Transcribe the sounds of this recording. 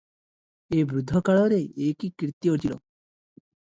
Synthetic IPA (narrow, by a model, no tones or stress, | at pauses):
ebɾud̪ʱːɔkaɭɔɾeekikɾit̪ːjot͡ʃʰilo